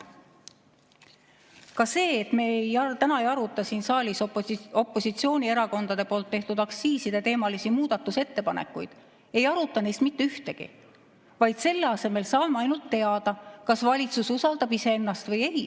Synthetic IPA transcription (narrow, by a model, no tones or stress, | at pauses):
kɑse̞ːt̪meːejɑt̪ænɑejɑɾut̪ːˑɑsiːnsɑːlʲiso̞pːˑo̞sit̪sio̞ːnʲie̞ɾɑko̞nd̪̥ɑd̪e̞po̞ːlt̪ːe̞ht̪ud̪̥ɑksiːsid̪̥e̞t̪e̞ːmɑlisimuːd̪̥ɑt̪ːuse̞t̪ːe̞pɑnḛkːujd̪̥ | e̞jɑɾut̪ːˑɑne̞jst̪mit̪ːyht̪e̞ɡ̥ḭ | vɑjd̪̥se̞lːeɑse̞me̞lsɑːmːɑjnult̪ːe̞ɑd̪̥ɑkɑsvɑlʲit̪sususɑld̪̥ɑbise̞e̞nːɑst̪vɤjej